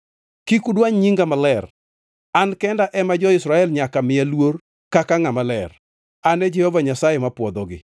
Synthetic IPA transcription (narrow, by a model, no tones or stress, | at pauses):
kikudwaɲɲiŋɡamalɛr | ankɛndaʔɛmad͡ʒɔɪsɾaɛlɲakamɪalwor | kakaŋamalɛr | anɛd͡ʒɛhovaɲasajemapwɔd̪ɔɡɪ̰